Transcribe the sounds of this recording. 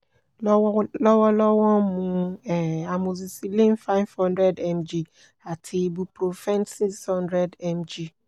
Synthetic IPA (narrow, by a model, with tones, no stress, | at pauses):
lɔ˦wɔ˦lɔ˦wɔ̃˦mũ˨˦ɛ˨a˨mũ˨zi˨si˨lĩ˦n˦fã˦nfɔ̃˦ndɾɛ˦dɛ˨md͡ʒi˨ | a˨tʰi˨˦bu˦pɾo˨fɛ̃˦nsi˦sɔ̃˦ndɾɛ˦dɛ˨md͡ʒi˦